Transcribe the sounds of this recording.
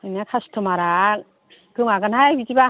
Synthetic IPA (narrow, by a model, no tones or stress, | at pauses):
ɯnakʰastʰɯmaɾak̚ | ɡɯŋaɡɯnɦajbitiba